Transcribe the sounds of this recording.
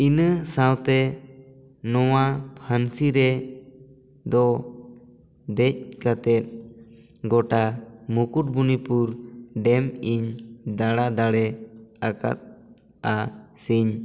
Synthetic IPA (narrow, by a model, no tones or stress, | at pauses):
inəsawt̪ɛ | nɔwapʰansiɾɛ | d̪ɔ | d̪ɛc̚kat̪ɛt̪̚ | ɡɔʈamukuʈ̚bunipuɾɖɛmiɲd̪aɽad̪aɽɛaka̰t̪̚ | asiɲ